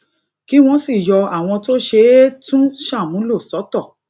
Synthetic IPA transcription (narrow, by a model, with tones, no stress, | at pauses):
ki˦w̃ɔ̃˧si˦˨jɔ˧a˦˨w̃ɔ̃˧to˦ʃe˧˦tũ˦ʃa˦˨mũ˨˦lo˦˨sɔ˨˦tɔ˦˨